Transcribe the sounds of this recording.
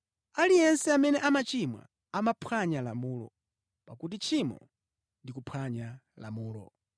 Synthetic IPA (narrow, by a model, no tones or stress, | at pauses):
alijɛnsɛamɛnɛʔamat͡ʃimwa̰ | amapʰwaɲalamuːlɔ̰ | pakut̬it͡ʃʰimɔ̰ | ndikupʰwaɲa | la̰muːlɔ̰